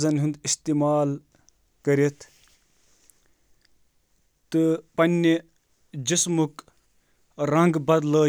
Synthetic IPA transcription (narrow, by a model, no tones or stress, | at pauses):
zɐnɦũnd̪ist̪iːmaːl | kəɾit̪ʰ | t̪ːɨpɐnʲːi | d͡ʒismuk | ɾɐ̃ŋɡbɐd̪ləː